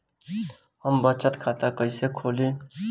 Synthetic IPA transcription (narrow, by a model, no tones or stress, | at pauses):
həmbətːt͡ʃət̪kʰat̪akəjsekʰoli